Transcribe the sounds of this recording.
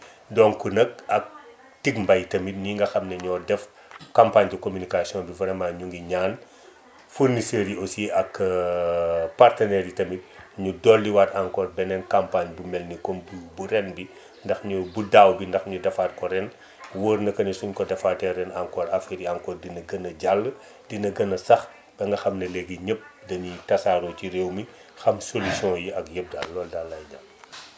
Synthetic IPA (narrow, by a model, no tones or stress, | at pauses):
dɔŋkunɐk̚ɐk̚ | tiɡmbɐjtɐmit̚niŋɡɐxɐmnɛɲɔːdɛf | kampaːɲdukomynikasiɔ̃nbivɐɾɐmaɲuŋɡiɲaːn | furniseɾiʔosiɐk | partɐnɛɾjitɐmit̚ɲudɔlːiwataŋkɔːrbɛnɛnkampaɲbumɛlnikɔmbubuɾɛnbi | ndɐxɲubudawbindɐxɲudɐfaːt̚kɔɾɛn | wəːrnɐkɐnisunkɔdɐfaːtɛɾɛnaŋkɔːɾɐfiɾiaŋkɔːrdinɐɡɐnɐɟalːə | dinɐɡɐnɐsɐx | b̥ɛŋɡɐxɐmnɐlɛɡiɲəp̚dɐɲutɐsaːɾɔciɾewmi | xɐmsolisjɔ̃jiɐkjəp̚da̰lɔːldalːajɲam